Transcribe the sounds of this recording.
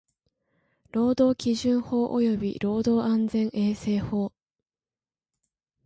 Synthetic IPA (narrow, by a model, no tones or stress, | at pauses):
ɾo̞ːd̪o̞ːkʲiʑɨ̃ɰ̃ho̞ːʔo̰jo̞bʲḭɾo̞ːd̪o̞ːãnd͡zẽ̞ɰʔe̞ːse̞ːho̞ː